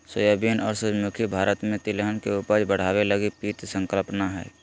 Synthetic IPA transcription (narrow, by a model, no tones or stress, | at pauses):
səjabiːnɔːɾsəmukʰibʱaːɾət̪mẽt̪ɪleɦənkeʊpəd͡ʒbəɽ̤aːweləɡipiːt̪sə̃ŋkəlpnaɦɛ̰ː